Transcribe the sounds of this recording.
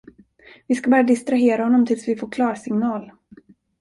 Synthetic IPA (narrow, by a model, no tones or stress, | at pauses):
vɪskabœːɾad̪ɪst̪ɾaɦeːɾahɔnːɔmt̪ʰɪlsvɪfoːɾkʰlɑːɾsɪŋnɑːl